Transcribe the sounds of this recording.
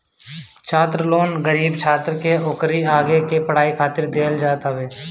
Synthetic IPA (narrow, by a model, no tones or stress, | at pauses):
t͡ʃʰaːt̪ɾloːnɡəɾiːbt͡ʃʰaːt̪ɾkeʊkɾiaːɡekepəɽ̤aːikʰaːt̪ɪɾd̪eːld͡ʒaːt̪aʋeː